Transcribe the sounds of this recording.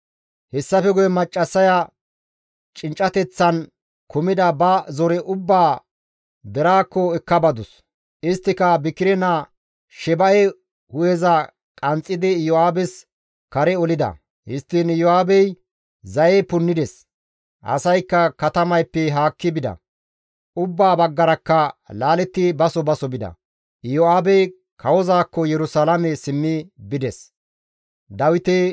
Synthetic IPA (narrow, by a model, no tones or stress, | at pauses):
hɛsːɐfɛɡʊjɛmɐt͡ʃʼːɐsːɐjɐ | t͡ʃʼɪnt͡ʃʼːɐt̪ɛt͡sːɐn | kʊmɪd̪ɐbɐzɔɾɛʔʊbːaː | d̪ɛɾaːkːɔɛkːɐbɐd̪ʊs | ɪst̪ːɪkɐbɪkːɪɾɛna | ʃɛbɐjɛ | hʊjɛzɐ | kʼɐnt͡sʼːɪd̪ɪjɔaːbɛs | kɐɾɛɔlɪd̪ɐ̰ | hɪst̪ːɪnjɔaːbɛj | zɐjɛpʊnːɪd̪ɛs | ʔɐ̰sɐjkːɐkɐt̪ɐmɐjpːɛɦaːkːɪbɪd̪ɐ̰ | ʊbːaːbɐɡːɐɾɐkːɐlaːlɛt̪ːɪbɐsɔbɐsɔbɪd̪ɐ̰ | jɔaːbɛj | kʰɐwɔzaːkːɔjɛɾʊsalamɛsɪmːɪbɪd̪ɛs | d̪ɐwɪt̪ɛ